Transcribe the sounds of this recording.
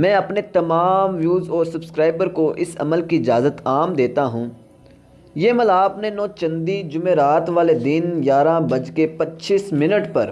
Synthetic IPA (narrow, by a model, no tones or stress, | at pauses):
mɛ̃ːɐpnet̪ɐmaːmʋjuːzɔːɾsɐbskɾaːɪbəɾkoʔɪsɐ̰məlkiɪd͡ʒaːzət̪aːmd̪eːt̪aɦũː | jeməlaːpnenɔːt͡ʃɐ̃nd̪id͡ʒʊmeːɾaːt̪ʋaːled̪ɪnjaːɾãbɐd͡ʒkepɐtːʃiːsmɪnəʈpɐɾ